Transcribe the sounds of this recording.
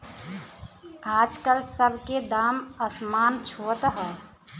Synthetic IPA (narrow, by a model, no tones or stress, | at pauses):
ad͡ʒkəlsəbʱked̪aməsmant͡ʃʰot̪əɦə